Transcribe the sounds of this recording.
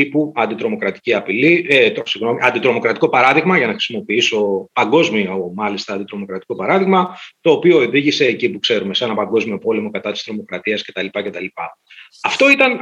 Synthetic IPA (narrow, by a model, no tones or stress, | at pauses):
ipuɐnd̪it̪ɾo̞mo̞kɾɐt̪i̥ciɐpilisiɣno̞miɐ̰nd̪it̪ɾo̞mo̞kɾɐt̪iko̞pɐɾɐðiɣmɐʝɐnɐxɾi̥simo̞piiso̞pɐŋɡo̞zmiomɐlist̪ɐːnd̪it̪ɾo̞mo̞kɾɐt̪i̥ko̞pɐɾɐðiɣmɐt̪o̞ːpio̞eðiʝise̞ːcipukse̞ɾumesenɐpɐŋɡo̞zmio̞po̞le̞mo̞kɐt̪ɐt̪i̥st̪ɾo̞mo̞kɾɐt̪iɐsce̞t̪ɐlipɐce̞t̪ɐlipɐ | ɐft̪o̞it̪ɐn